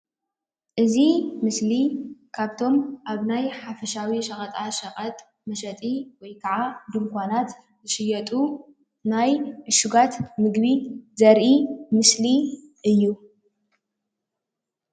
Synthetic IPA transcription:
ʔɨzimɨslikʰaβt̪ʰo̞mʔaβnajħafɐʃawiʃɐχʼɐt̪ʼaʃɐqʼɐt̪ʼ | mɐʃɐt̪ʼiwɔjkʰaʕad̪ɨmkʷʰanat̪ | zɨʃɨjɐt̪ʼu | najʔɨʃuɡat̪mɨɡbizɐɾʔimɨsli | ʔɨjːu

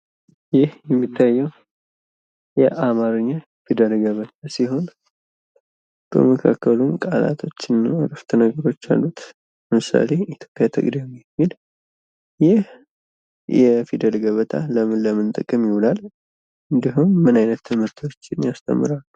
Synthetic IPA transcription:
jɪhjɛmːit̪ʰːajːɛw | jɛʔamaɾɨɲːa | fid̪əlɡəβət̪ʰasiɦo̞n | b̥ə̰məkʰa̰kʰːəlunkʼala̰t̪ʰo̞t͡ʃːɪnːaɾəft̪ʰənəɡəɾo̞t͡ʃːa̰lːut̪ | bəmɨsa̰le̞it̪ʰjo̞pʼjat̪ʰɨ̰ɡd̪jɛmjɛmːil | jɪh | jɛfid̪əlɡəβət̪ʰalələmɨnt̪ʼəkʼːɨmjɪwulal | ɨnd̪iɦumːɨnajnət̪ːɨmɨɾt̪ʰo̞t͡ʃːɪnjast̪ʰʼə̰mːɨɾalːu

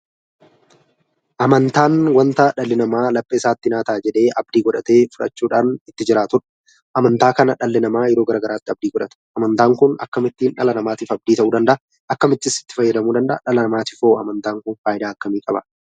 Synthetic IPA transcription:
ʔɐmɐnt̪aːnwɐnt̪ɐᶑɐlːɪnɐmaːlɐpʼːɐɪsaːt̪ːɪnaːt̪aːd͡ʒɛᶑe̞ːʔɐb̚d̪iːɡɔᶑɐt̪e̞ːfʊᶑɐ̰t͡ʃːuːᶑaːnɪt̪ːɪd͡ʒɪɾaːt̪ʊᶑ | ʔɐmɐnt̪aːkɐnɐᶑɐlːɪnɐmaːjɛɾo̞ːɡɐɾaːɡɐɾaːt̪ːɪɐb̚d̪iːɡɔᶑɐt̪ɐ̥ʔɐmɐnt̪aːŋkʊnɐ̰kːɐmɪt̪ːiːnᶑɐlɐnɐmaːt̪iːfɐb̚d̪iːt̪ɐʔuːd̪ɐnd̪ɐʔɐ | ʔɐkːɐmɪt̪ːɪsɪ̥t̪ːɪ̥fɐjːɐd̪ɐmuːd̪ɐnd̪ɐ̰ʔɐᶑɐlɐmaːt̪ɪfoːɐmɐnt̪aːŋkʊnfaːjɪd̪aːɐkːɐmiːkʼɐbɐ

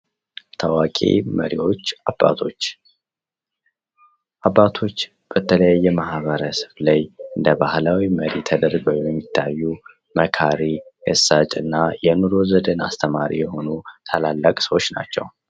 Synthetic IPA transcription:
t̪ʰəwakʼḛməɾiwo̞t͡ʃːaba̰t̪ʰot͡ʃː | ʔabːat̪ʰo̞t͡ʃː | b̥ət̪ʰələjajːɛmahβəɾəsɨβlajɨnd̪əbahlawiməɾit̪ʰəd̪əɾɡəwjɛmːit̪ʰːajːu | məkʰaɾiəsːat͡ʃʼɨnːajɛnuɾo̞zəd̪əna̰st̪ʰəmaɾḭjɛho̞nut̪ʰəlalːəkʼsəwo̞t͡ʃːna̰t͡ʃːɛ̰w

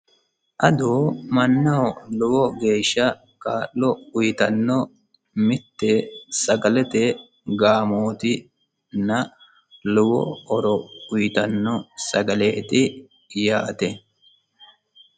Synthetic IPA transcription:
ʔɐd̪uːmɐnːɐhɔlʊwɔɡe̞ːʃːɐ | kaːlːɔʊjɪt̪ɐnːɔ | mɪt̪ːɛsɐɡɐlɛt̪ɛ | ɡaːmoːt̪ɪ | nɐ | lʊwɔ̰ɔɾɔʊjɪt̪ɐnːɔsɐɡɐleːt̪ɪ | jaːt̪ɛ

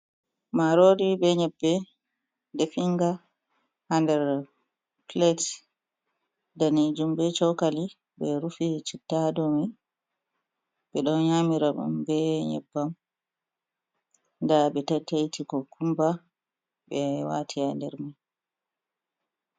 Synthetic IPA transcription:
maɾodibɛɲɛbːɛ | defiŋɡa | handɛɾ | plɛt | danid͡ʒumbɛt͡ʃɔwkali | bɛɾufit͡ʃitːadɔmi | ɓɛɗɔnɲamiɾamṵmbɛɲɛ̰bːam | ndaɓɛtatːajtikɔkumba | ɓɛwa̰tʰiandɛɾma

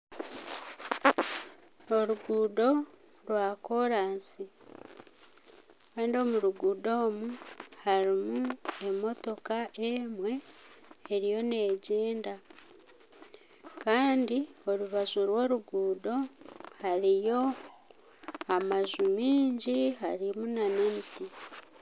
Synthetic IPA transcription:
o̞ɾuɡuːdo̞ | ɾwaːko̞ɾaːnsi | kaːndio̞muɾuɡuːdo̞ːmuhaɾimue̞mo̞to̞kaʔemwe̞ː | ɾijo̞ne̞ːɟeːnda | kaːndio̞ɾuβazuɾwo̞ːɾuɡuːdo̞haɾijo̞ | amazumiːɲɟiɦaɾimunane̞miti

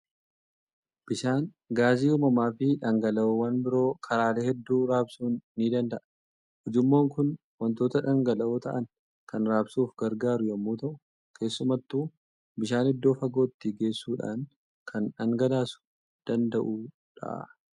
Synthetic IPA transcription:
b̥ɪʃaːn | ɡaːziːʊːmɐmaːfɪᶑɐŋɡɐlɐoːwɐnbɪɾo̞ːkʰɐɾaːle̞ːhɛd̪ːuːɾaːbsuːnːiːd̪ɐnd̪ɐʔɐ̥ | hɔd͡ʒɪmːo̞ːŋkʊn | wɐnt̪o̞ːt̪ɐᶑɐŋɡɐlɐʔoːt̪ɐʔɐn | kɐnɾaːbsuːfɡɐɾɡaːɾʊjɐmːuːt̪ɐʔʊ̥ | kʰe̞ːsːʊmɐt̪ːuː | bɪʃaːnhɛd̪ːo̞ːfɐɡo̞ːt̪ːɪɡe̞ːsːuːᶑa̰ːn | kʰɐnᶑɐŋɡɐd̪aːsʊ̥ | d̪̥ɐnd̪ɐʔuː | ᶑɐ̰ʔ

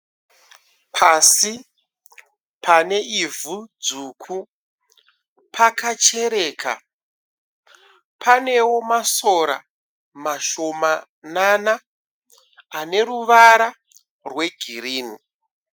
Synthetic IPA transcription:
pʰasi | pʰane̞ʔivʱud͡zukʰu | pʰakat͡ʃe̞ɾe̞ːka̰ | pʰane̞wo̞maso̞ɾa̰ | maʃo̞ma | nana | ne̞ɾuʋaɾa | rwe̞ɡʱiriːni

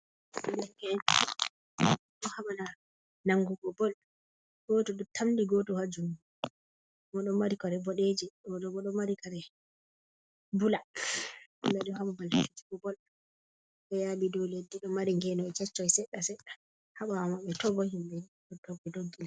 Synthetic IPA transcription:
dɛkɛn | ɗɔhaɓana | naŋɡuɡɔbɔl | ɡ̥otuɗɔtʰamdiɡotuhad͡ʒumu | mɔɗɔmaɾikɔɾɛbɔɗed͡ʒiɗɔdɔɡɔɗɔmaɾikaɾɛ | bula | mbɛɗɔhamabaltud͡ʒiɡɔbɔl | ɓɛjaɓidɔledːiɗɔmaɾiŋɡɛnɔɛt͡ʃɛt͡ʃːɔjsɛɗːasɛɗːḁ | haɓawamaɓɛtɔbɔhimbɛni | ɔdɔɡɔdoɡːina

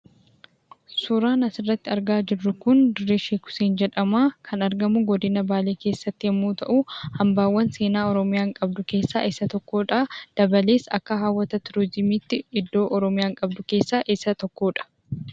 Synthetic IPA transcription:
sʊɾaːnɐsɪrːɐt̪ːɪɐɾɡaːd͡ʒɪrːʊkʊnd̪ɪrːeʃeːkʊ̥seːnd͡ʒɛᶑɐmaːkʰɐnɐɾɡɐmʊɡɔd̪ɪnɐbaːle̞ːke̞ːsːɐt̪ːɪɛmːuːt̪ɐʔuhɐmbaːwːɐnse̞ːnaːɔɾɔmɪjaːŋkʼɐbd̪ʊke̞ːsːa̰ːʔɪsːɐt̪ɔkːo̞ːᶑɐd̪̥ɐbɐle̞ːsɐ̰kːɐɦaːwːɐt̪ɐt̪ɪɾɔzɪmiːt̪ːɪɪd̪ːo̞ːʔɔɾɔmɪjaːŋkʼɐbd̪ʊke̞ːsːaːʔɪsːɐt̪ɔkːoːᶑɐ̥

